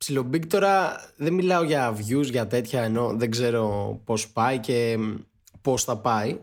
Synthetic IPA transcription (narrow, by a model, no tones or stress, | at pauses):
psilobikt̪o̞ɾɐðenmilɐo̞ʝɐːvʝuzʝɐt̪e̞t̪çɐeno̞ðeɡze̞ɾo̞po̞spɐice̞ | po̞sθɐpɐi